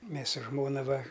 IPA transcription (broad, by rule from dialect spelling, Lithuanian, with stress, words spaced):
ˈmʲeːs sʊ ˈʒmoːnɐ ˈʋɐ